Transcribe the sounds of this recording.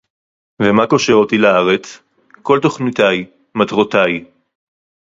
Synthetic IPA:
vemako̞ʃeʁot̪ilaaʁet͡s | ko̞lt̪o̞χnit̪aj | mat̪ʁot̪aj

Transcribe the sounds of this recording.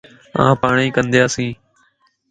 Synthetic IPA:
ã̰ːpaːɳĩːkənd̪jaːsĩː

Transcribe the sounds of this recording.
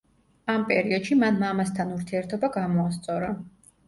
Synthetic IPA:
ampʼɛɾiɔd̪̥ʃimanmamast̪ʰanuɾt̪ʰiɛɾt̪ʰɔbaɡamɔast̪sʼɔɾa

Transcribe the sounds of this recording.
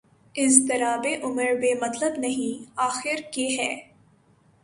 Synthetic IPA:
ɪ̃nst̪ɪɾaːbeʔʊməɾbeːmɐt̪ləbnɐɦĩaːxɪɾkeːɦɛː

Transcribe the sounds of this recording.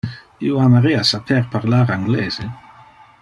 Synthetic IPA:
ḭːoamaɾiasapʰɛɾpʰaʁlaɾaŋɡlɛːze

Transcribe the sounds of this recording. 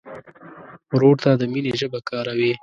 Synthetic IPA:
ɾoɽt̪ad̪əmineʒəbakɑːɾawi

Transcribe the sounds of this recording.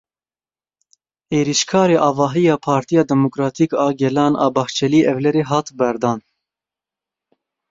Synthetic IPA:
eːɾiʃkʰɑːɾeːʔɑːvɑːɦijɑːpʰɑːɾt̪ʰijɑːd̪ɛmokɾɑːt̪ʰiːkɑːɡɛlɑːnʔɑ̰ːbɑht͡ʃʰɛliːʔɛvlɛɾeːɦɑːt̪bɛɾd̪ɑːn

